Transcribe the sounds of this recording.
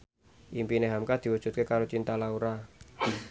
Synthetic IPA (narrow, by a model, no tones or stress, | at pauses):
ʔimpineɦamkad̪̥i̤wəd̥ʒ̥ṳt̪̚kekaɾot͡ʃint̪alauɾa